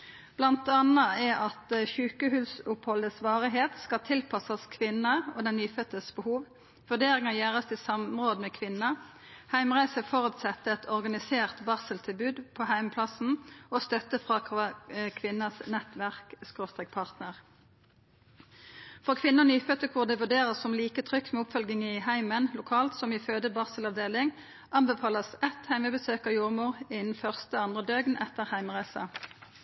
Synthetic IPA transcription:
b̥lɑnt̪ɑnɑɛɑt̪ʃʉːkəɦʉːsʊphɔləsʋɑːʁɪɦeːt̪skɑt̪ʰɪlpʰɑsɑskʰʋɪnəoːd̪ɛnnyːfœt̪əsbəhuːʋ | ʋʉd̪eːʁɪŋɑjæːʁɑst̪isɑmʁoːd̪əmɛkʰʋɪnɑ | hæɪmʁæɪsəfɔʁʉːt̪sɛt̪ːəɛt̪ʰɔʁɡɑnɪseːʁt̪bɑsəlt̪ʰɪlbʉːd̪pʰohæɪmpʰlɑsn̩ost̪œt̪əfʁɑ | kʰʋɪnːɑsnɛt̪ʋæʁkskʁoːst̪ʁɛk̚pʰɑʁt̪nəʁ | fɔkʰʋɪnːəɔnyːfœt̪əkʰʋʊːʁd̪əʋʉʁd̪eːʁəsɔmliːkət̪ʰʁʏkt̪mɛʊpfœlɡɪŋəɪhæɪmənlʊkʰɑːlt̪sɔmɪføːd̪əbɑʁsəlɑʋd̪eːlɪŋ | ʔɑnbəfɑːləsɛt̪hæɪməbəsøːkɑʋjuːʁmuːʁɪnn̩fœʁst̪əɑnd̪ʁəd̪øːɡnʔɛt̪əʁhæɪməʁæɪsɑ

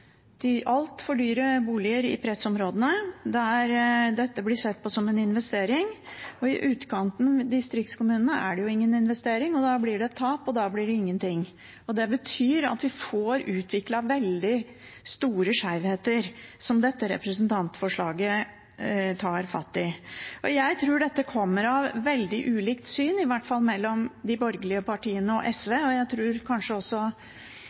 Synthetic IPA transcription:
d̪̥ɪʔɑlt̪fɔɖyːɾəbuːlɪəɾɪ̰pʰɾɛsɔmɾoːd̪ənəd̪ɛæɾd̪ɛt̪ːəblɪsɛt̪̚ːpʰɔsɔmɛnɪnʋɛst̪eːɾɪŋɔɪʔʉːt̪kʰɑnt̪nd̪ɪst̪ɾɪk̚t̪skʊmʉːnənəæ̰ɖɛjʊɪŋːənɪnʋɛst̪eːɾɪŋɔd̪ɑblɪɖɛt̪ʰːɑːpɔd̪ɑːblɪɖɛɪŋːənt̪ʰɪŋː | ɔd̪ɛbət̪ʰyːɾɑ̰t̪ʋɪfoːɾʉːt̪ʰʋɪklɑʋɛld̪ɪ | st̪uːɾəʂæɪʋheːt̪əɾsɔmd̪ɛt̪ːəɾɛ̰pɾəsnt̪ʰɑnt̪fɔʂɭɑːɡə | t̪ʰɑːɾfɑ̰t̪ːɪʔɔjæɪt̪ʰɾuːɖɛt̪ːəkʰɔmːəɾɑʋʋɛld̪ɪʔʉːliːkt̪syːnɪʋæʈfɑlmɛlːɔmd̪ɪbɔɾɡəlɪəpɑʈiːənəɔ̰ʔɛsʋeːɔjæɪt̪ʰɾuːɾkʰɑnʂəɔsːɔ

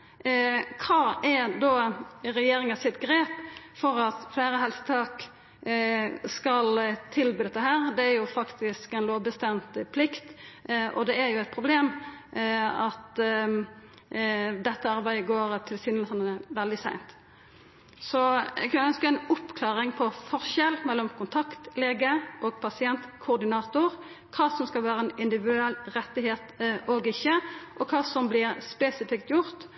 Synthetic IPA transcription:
kʰɑːɛd̪oːɾɛjeːɾɪŋəsɪt̪ɡɾeːpfɔɾɑt̪fleɪɾəɦɛlsə̥t̪ʰɑːk | skɑlt̪ʰɪlbøːd̪ɛt̪ːəɦæːɾd̪ɛæɾjʊfɑkt̪ɪskɛnloːʋbəst̪ɛmt̪pʰlɪkt̪ʔɔ̰d̪ɛæɾjʊɛɪt̪̚pʰʁʊbleːm | ɑt̪ | d̪ɛt̪ːəɑɾbæɪəɡoːɾt̪ʰɪlsɪːnəlsənəəʋɛld̪ɪsæ̰ɪnt̪ | sɔɛ̰ɡkʰɑnəœnskəɛnʊpːkʰlɑːʁɪŋpʰɔfɔʁʃɛlmɛlːɔmkʰʊnt̪ʰɑkt̪leːɡəʔoːɡ̚pʰɑsɪɛnt̪kʰʊʁd̪ɪnɑːt̪ʊɾ | kʰɑːsɔmskɑlʋæːɾəɛnɪnd̪ɪʋɪd̪ʉɛlɾɛt̪ːɪɦeːt̪ʔoːɡɪçːəʔɔkʰɑːsɔmblɪɾspɛːsɪfɪkt̪jʊɾt̪

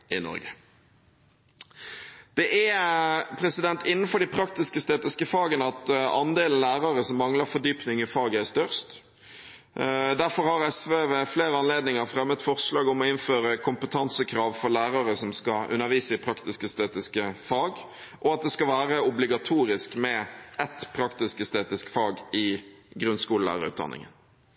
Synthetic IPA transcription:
ɪnɔ̰ɾɡə̰ | d̪̥ɛʔɛpʰɾɛsɪd̪ɛnt̪ʰɪnːn̩fɔɾɖ̪ɪpʰɾɑk̚t̪ɪskəst̪eːt̪ɪskəfɑːɡənəɑt̪ɑ̰nd̪eːlən̩læːʁɑɾəsɔmːɑŋləɾfɔɖ̪yːpnɪŋɪfɑːɡəæst̪œʁst̪ | d̪æɾfɔɾhɑɾɛsʋeːʋɛfleːɾəɑnleːd̪nɪŋəʁfɾɛmːət̪fɔʁslɑːɡɔmɔɪnføːɾəkʰʊmpət̪ʰɑnsəkʰɾɑːʋfɔɾlæːɾɑɾəsɔmskɑʉ̰nːəɾʋiːsəɪpʰɾɑkt̪ɪskəst̪eːt̪ɪskəfɑːɡ | ʔɔɑt̪̚d̪ɛskɑʋæːɾəʊblɪɡɑt̪ʰuːɾɪskmɛʔɛt̪pʰɾɑkt̪ɪskəst̪eːt̪ɪskfɑːɡɪɡɾʉnskuːləlæ̰ːɾə̰ɾʉ̰ːt̪d̪ɑ̰nʔɪ̰ŋə̰n

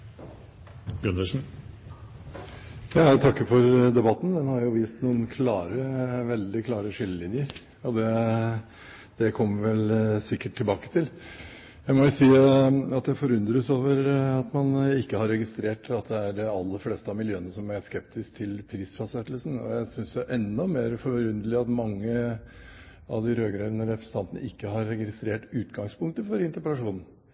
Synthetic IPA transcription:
ɡʉnəʂn̩ | jɑːt̪ʰɑkːəfɔɾd̪ɛbɑt̪ːn̩d̪ɛnhɑɾjʊʋiːst̪nuːənkʰlɑːɾəʋɛld̪ɪkʰlɑːɾəʂɪlːəlɪnjəɾ | ɔd̪ɛ | d̪̥ɛkʰɔmːəɾʋɛlsɪkːəʈʰːɪlbɑːkə̥t̪ʰɪl | jæɪmɔjʊsiːɑt̪d̪æfɔɾʉnd̪ɾəəsoːʋəɾɑt̪mɑnɪkːəhɑɾːɛɡɪst̪ɾeːʈɑt̪d̪ɛæɖɛɑlːəɾfleːst̪əɑmɪljøːənəsɔmæskɛp̚t̪ɪsk̚t̪ʰɪlpʰɾiːsfɑsɛt̪ːlsn̩ɔ̰jæɪsʏnsɛʔɛnːɔmeːɾfɔɾɾʉnd̪əlɪɑt̪mɑŋːə | ɑ̰ʋd̪ɪɾøːɡəɾənəɾɛpɾəsn̩ɑnt̪ənə̰ɪkːəɦɑɾːɛɡɪɪst̪ɾeːʈʉːt̪ɡɑŋspʰʊŋkt̪əfɔɾɪnt̪əpəlɑʂuːnn̩

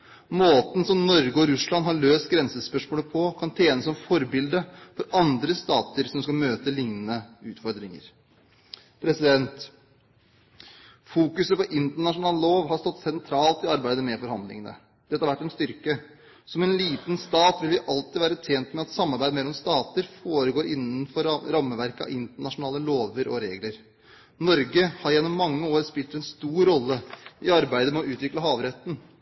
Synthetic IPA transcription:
moːt̪n̩sɔmnɔɾɡəɔɾʉslɑnɦɑɭøːst̪ɡɾɛnsəspœʂmoːləpʰɔkʰɑnt̪ʰeːnəsɔmfɔɾbɪld̪əfɔɾɑnd̪ɾəst̪ɑːt̪əɾsɔmskɑlmøːt̪əlɪŋnənəʉːt̪fɔɾd̪ɾɪŋə̰ɾ | pʰɾɛsɪd̪ɛnt̪ | fuːkʉsəpɔʔɪnt̪əɳɑʂʊnɑːlloːʋɦɑɾst̪ɔt̪ːsɛnt̪ʰɾɑːlt̪ɪɑɾbæɪd̪əmɛfɔɾhɑnd̪lɪ̰ŋənə̰ | d̪̥ɛt̪əːhɑɾʋæʈːɛnst̪ʏɾkə | sɔmɛnliːt̪nst̪ɑːt̪ʋɪlʋɪʔɑlt̪ɪʋæːɾət̪ʰjeːnt̪mɛɑt̪sɑmːɑɾbæɪd̪mɛlːɔmst̪ɑːt̪əɾfoːɾəɡoːɾɪnːənfɔɾɾɑmːəʋæɾkəɑ̰ʔɪnt̪əɳɑʂʊnɑːləloːʋəɾɔ̰ɾeːɡləɾ | nɔɾɡəhɑɾjɛnːɔmːɑŋːəoːɾspɪlt̪ɛnst̪uːɾɾːɔlːəɪɑɾbæɪd̪əmɛɔʉːt̪ʋɪkləɦɑːʋɾɛt̪ːn̩

